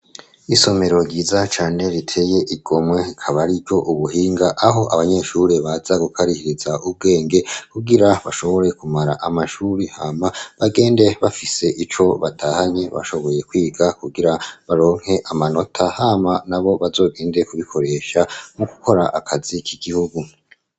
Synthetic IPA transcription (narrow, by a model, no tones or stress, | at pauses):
iso̞me̞ɾo̞ɟiːzat͡ʃaːne̞ɾitʰe̞je̞ʔiɡ̥o̞mwe̞ikʰaβaɾibjo̞ʔuβuhiːŋɡaʔaɦo̞ʔaβaɲe̞ʃuɾeβaz̥aɡukʰaɾihiɾizaub̚ɡe̞ːŋɡe̞kuɡiɾaβaʃo̞βo̞ɾe̞kumaɾaʔamaʃuːɾihamaβaɡe̞ːnde̞βafise̞ʔit͡ʃo̞βatʰahaɲe̞βa̰ʃo̞βo̞je̞kwiːɡakuɡiɾaβaɾo̞ːŋ̥he̞ʔamano̞tʰahamanaβo̞βazo̞ːɡe̞ːnde̞kuβikʰo̞ɾe̞ʃamuku̥ko̞ɾaʔakʰazikʰiɡihuɡu